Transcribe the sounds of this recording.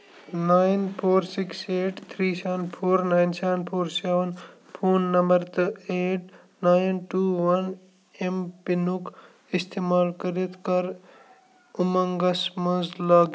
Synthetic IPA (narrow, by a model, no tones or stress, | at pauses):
naːɪnpʰoːɾsikseːʈt̪ʰɾiːseʋənpʰoːɾnaːɪnseʋənpʰoːɾseʋən | pʰoːnːɐmbəɾt̪ɨeːʈ | naːjnʈuːʋɐn | empinuk | ist̪eːmaːlkɐɾit̪ʰkɐɾ | umɐŋɡɐsmɐzlaːɡ